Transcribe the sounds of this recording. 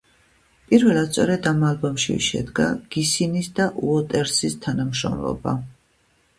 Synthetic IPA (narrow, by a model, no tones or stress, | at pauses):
pʼiɾvɛlˠat̪sʼɔɾɛd̪amalˠbɔmʃḭʃɛ̰d̪ɡa̰ɡ̥isinisd̪aʔuɔt̪ʼɛɾsist̪ʰanamʃɾɔ̰mlɔ̰ba̰